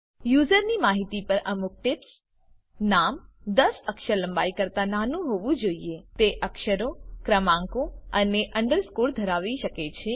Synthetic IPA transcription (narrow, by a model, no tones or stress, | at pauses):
juzəɾnimaɦit̪ipəɾʔəmʊk̚ʈɪps | namd̪əsəkʃələ̃mbaikəɾt̪ananũɦoʋũd͡ʒoiet̪eʔəkʃəɾokɾəmãŋkoəneʔəɳɖəɾskuɽd̪ʱəɾaʋiʃəket͡ʃʰe